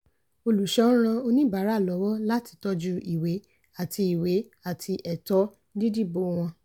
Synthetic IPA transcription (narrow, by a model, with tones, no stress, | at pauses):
o˧lu˨ʃɔ̃˨˦ɾ̃ã˧o˧nĩ˦ba˨˦ɾa˨˦˨lɔ˨˦wɔ˦la˦ti̥˨˧tɔ˧d͡ʒu˧ʔi˨we˨˦ | a˦˨tʰi˧i˨we˨˦ | a˨tʰi˧ʔɛ˨tɔ˨˦ | di˦di˦˨bo˧w̃ɔ̃˧